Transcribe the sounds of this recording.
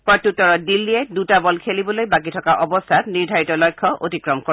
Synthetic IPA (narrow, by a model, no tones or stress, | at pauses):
pɹɔtutːɔɹɔt̚dilːiɛdutabɔlkʰelibɔlojbak̬itʰɔkaʔɔbɔstʰatniɹdʱaɹitɔlɔjkʰːɔʔo̰tikɹɔmko